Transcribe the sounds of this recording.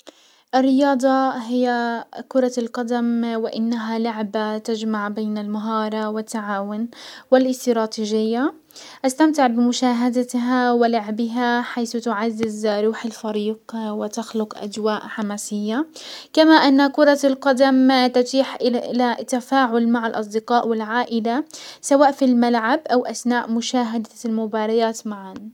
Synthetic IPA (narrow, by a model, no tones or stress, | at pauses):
ʔɪrːɪjɑːd̪ˤɑɦɪjːakʊɾˤɑlqɑd̪amwɪʔɪnːaɦalʊʕbat̪ad͡ʒmaʕbeːnalmaɦɑːɾˤɑwɪt̪ːaʕaːwʊnwɪlʔɪst̪ɾɑːt̪iːʒɪjːa | ʔast̪amt̪ɪʕbɪmʊʃaːɦad̪aɦawɪlaʕbɪɦaħajθʊt̪ʊʕazːɪzɾˤuːħalfaɾiːqwɪt̪axlʊqʔa̰d͡ʒwaːʔħamaːsɪjːakamaʔɪnːakʊɾˤɑlqɑd̪amt̪ʊt̪iːħʔɪɪlat̪ːafaːʕʊlmaʕalʔɑsˤd̪ɪqɑːʔwɪlʕaːʔɪlasawaːʔfilmalʕabʔawʔasnaːʔmʊʃaːɦad̪almʊbɑːɾˤɑjaːt̪maʕan